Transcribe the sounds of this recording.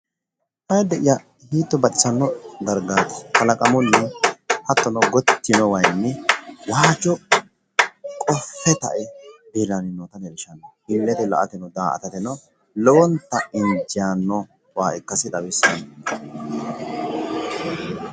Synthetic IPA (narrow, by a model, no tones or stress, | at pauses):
hɐjd̪ɛʔɪja | hiːt̪ːɔbɐt͡ʃɪsɐnːɔd̪ɐɾɡaːt̪ɪ̥kɐlɐkʼɐmɔnːɛhɐt̪ːɔnɔɡɔt̪ːɪnɔwɐjnːɛwaːt͡ʃːɔ | kʼɔfːɛt̪ɐ̰ʔɛbilɐnɪnːɔt̪ɐnɛlɪʃɐnːɔhɪlːɛt̪ɛlɐ̰ʔɐt̪ɛnɔd̪aːʔɐ̰t̪ɐt̪ɛnɔ | lɔwɔnt̪ːɐɪnd͡ʒɪjaːnːɔ | waːʔɛkːɐsɪt̪ʼɐwɪsːɐn